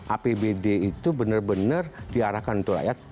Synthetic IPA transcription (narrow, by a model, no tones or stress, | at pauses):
ʔapebedeit̪ubənərbənərdiaɾahkanunt̪ura̰jat̪̚